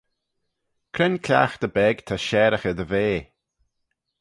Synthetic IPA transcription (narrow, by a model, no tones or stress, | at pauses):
kʰɾɛnkʰlʲa̰ːxd̪əbɛɡt̪ʰaʃɛːɾəxəd̪əveː